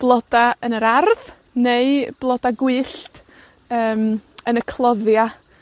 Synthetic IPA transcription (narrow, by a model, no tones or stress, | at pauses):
b̥lˠɔd̥aənəɾarð | neɨb̥lˠɔdaɡwɨːɬt | əːmənəkʰlˠɔðja